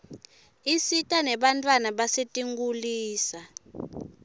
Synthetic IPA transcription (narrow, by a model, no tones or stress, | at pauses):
isitʼanɛɓantʼwanaɓasetʼiŋɡuliːsa